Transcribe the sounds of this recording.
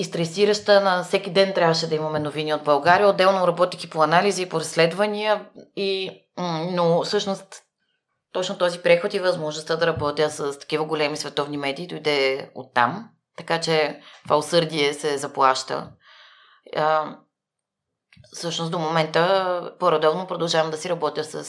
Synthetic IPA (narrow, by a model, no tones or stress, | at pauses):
ist̪ɾɛsiɾɐʃt̪ənɐfsɛkid̪ɛnt̪ɾʲavəʃɛd̪ɐimɐmɛnoviniod̪̚bɐlˠɡaɾiəod̪ːɛlˠnoɾɐbɔt̪ikipoɐnaliziːpoɾɐsːlɛd̪vɐnʲiəi | nofsɤʃnost̪ː | ɔt͡ʃnot̪ɔzipɾɛxot̪ivɐzmoʒnost̪əd̪ɐɾɐbɔt̪ʲjəsɐst̪ɐ̥kivəɡolɛmisvɛt̪ɔvnimɛd̪iːd̪ojd̪ɛo̰t̪ːa̰m | t̪ɐkat͡ʃɛt̪ovaosɤɾd̪iɛsɛzɐplˠaʃt̪ə̰ | fsɤʃnost̪d̪omomɛnt̪əpoɾɐd̪ɔvnopɾod̪ɐlˠʒavɐmd̪ɐsiɾɐbɔt̪ʲjəsɐ̰s